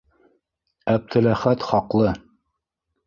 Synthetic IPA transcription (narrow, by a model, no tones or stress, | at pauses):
æp̚t̪ʰɘ̆læχæt̪χɒqlˠɤ